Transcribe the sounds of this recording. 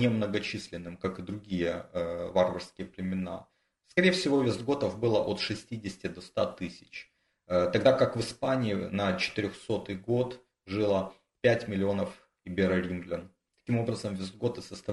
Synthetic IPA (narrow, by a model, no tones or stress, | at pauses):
nʲɪmnəɡɐt͡ɕisʲlʲɪnːɨmkakɨd̪ɾʊɡʲijəvarvərskʲɪjəplʲɪmʲɪna̰ | skɐɾʲejəfsʲɪvo̞vʲɪzd̪ɡo̞t̪əvbɨlˠəʔo̞t̪ʂɨsʲtʲidʲɪsʲtʲɪd̪ost̪at̪ɨsʲɪ̥t͡ɕ | t̪ɐɡd̪akakvɨspanʲɪɪnət͡ɕɪ̥t̪ɪɾʲoxso̞t̪ɨjɡo̞t̪ | ʐɨlˠə | pʲætʲmʲɪlʲɪo̞nəf | ɪbʲɪɾɐɾʲimɡlʲɪn | t̪ɐ̥kʲimo̞bɾəzəmvʲɪzd̪ɡot̪ɨsəst̪ɐ